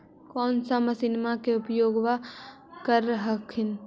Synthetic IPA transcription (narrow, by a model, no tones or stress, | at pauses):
kɔːnsaməsɪnmakeʊpjoːɡʋa | kəɾɦəkʰɪn